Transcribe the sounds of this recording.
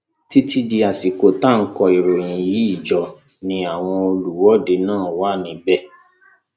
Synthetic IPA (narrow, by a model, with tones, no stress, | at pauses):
ti˦ti˦di˧a˨si˨ko˨ta˦˨ŋ̩˦kɔ˧i˨ɾo˨ɾ̃ĩ˨ji˨˦i˦˨d͡ʒɔ˨ | nĩ˧a˨w̃ɔ̃˧o˧lu˨wɔ˦de˧˦nãː˦˨wa˦˨nĩ˧bɛ˦˨